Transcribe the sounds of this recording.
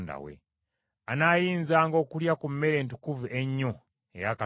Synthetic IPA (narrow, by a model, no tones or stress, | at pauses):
nda̰wḛ | anajinzaŋɡoːkuljakum̩meɾeːntu̥kuviʔeɲːo | ejaka